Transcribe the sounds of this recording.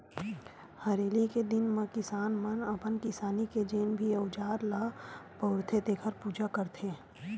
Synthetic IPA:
hɐɾeːliked̪ɪnmẽkɪsaːnmɐnɐpənkɪsaːniked͡ʒeːnbʱiəʊd͡ʒaːɾlaːpɐʊɾt̪ʰet̪ekʰəɾpuːd͡ʒakɐɾt̪ʰe

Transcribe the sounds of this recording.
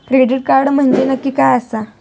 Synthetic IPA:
kɾeɖiʈ̚kaɾɖm̤əɳd͡ʑenəkːiːkajasa

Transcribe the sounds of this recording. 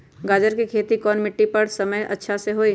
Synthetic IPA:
ɡaːd͡ʒəɾkikʰeːt̪ikɔːnmɪʈːipɐɾsɐməjʔɐ̰tːʃʰaseɦoi

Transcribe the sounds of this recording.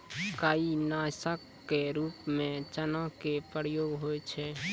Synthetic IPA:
kainasəkːeɾupmẽt͡ʃənãkepɾəɾjoɡɦojt͡ʃʰɛ

